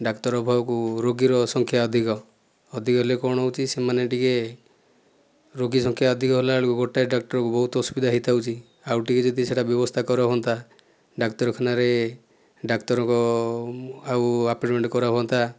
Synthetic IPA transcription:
ɖakʈɔɾɔbʱaɔkuɾoɡiɾɔsɔŋkʰjaɔd̪ʱikɔ | ɔd̪ʱikɔɦelekɔɽ̃ɔwt͡ʃʰisemaneʈike | ɾoɡisɔŋkʰjaɔd̪ʱikɔɦelaɭkuɡoʈaeɖak̚ʈɔɾɔkubɔɦut̪ɔsu̥bid̪ʱaɦit̪ʰawt͡ʃʰi | awʈiked͡ʒɔd̪ʱiseʈabjɔbɔst̪ʰakɔɾabʱɔnt̪ʰa | ɖaktɔɾɔkʰɔnaɾe | ɖakʈɔɾɔŋkɔ | awapʈmeɳʈkɔɾabʱɔnt̪ʰa

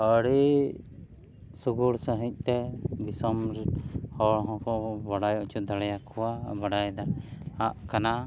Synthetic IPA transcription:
əɽe | suɡuɽsəɦĩc̪̚ˀt̪ɛɡisɔmɾhɔɭɦɔ̃kɔʔbaɽajɔʔt͡ʃʰud̪aɽɛjakʰɔwabaɽajd̪aaʔkana

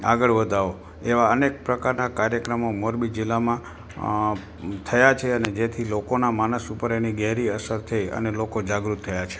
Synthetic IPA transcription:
a̰ɡəɭʋəd̪ʱaʋo | eʋaənek̚pɾəkaɾnakaɾjəkɾəmomoɾbid͡ʒɪlːamã | t̪ʰəjat͡ʃʰeəned͡ʒet̪ʰilokonamanəsupəɾeniɡɛɦɾiəsəɾt̪ʰəjə̰nelokod͡ʒaɡɾut̪ʰːəjat͡ʃʰe̥

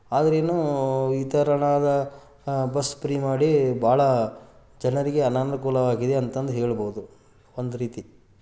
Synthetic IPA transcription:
aːd̪ɐɾeːnuːit̪ɐɾɐɳaːd̪ɐ | bɐspɾiːmaːɽibʱaːɭɐ | d͡ʒɐnɐɾiɡe̞ɐnaːnukuːlɐʋaːɡid̪eɐnt̪ɐnd̪ɦeːɭboːud̪u | ond̪uɾiːt̪i

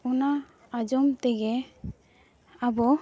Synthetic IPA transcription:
ɔnaː | d͡ʒɔmt̪ɛɡɛ | abɔ

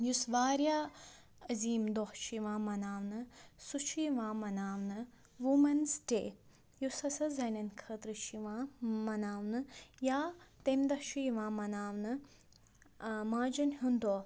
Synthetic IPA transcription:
jusʋaːɾjaː | ɐziːmd̪ohʃʰiʋãːmɐnaːʋnɨsut͡ʃʰijiʋãːmɐnaːʋnɨ | ʋumɐnsʈḛː | jusɐsɐzɐnʲɐnkʰət̪ɾɨt͡ʃʰiʋãːmɐnaːʋnɨjaːt̪emd̪ɐhʃʰujiʋãːmɐnaːʋnɨ | maːd͡ʒɐnɦund̪oː

